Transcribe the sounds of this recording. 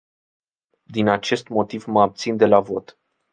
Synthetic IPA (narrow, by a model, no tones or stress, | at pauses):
d̪inat͡ʃe̞st̪mo̞t̪ivməab̚t̪sind̪e̞lavo̞t̪